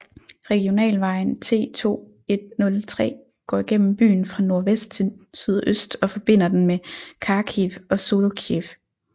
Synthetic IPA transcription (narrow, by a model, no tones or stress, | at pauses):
ʁɛɡ̥io̝nɛ̰ːlʋɑ̈ɪn̩t͡sʰe̝̰ːt͡sʰo̝̰ː | e̝d̥̚nɔ̽lt͡sʰʁɛ̰ː | ɡ̥ɒ̰ːiɡ̥en̰m̩b̥y̰ːn̩fʁɑ̈no̝ɐʋesd̥t͡sʰe̝lsyð̞̰ˠøsd̥ɒ̽fɒ̽b̥e̝n̰ɐd̥enmekʰɑ̈kʰifɒ̽so̝lokʰief